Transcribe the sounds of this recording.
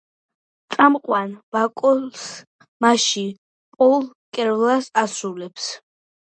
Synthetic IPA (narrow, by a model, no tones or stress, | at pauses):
t̪sʼamqʼwanbakʼɔls | maʃi | pʼɔlˠ | kʼɛɾvlasasulɛps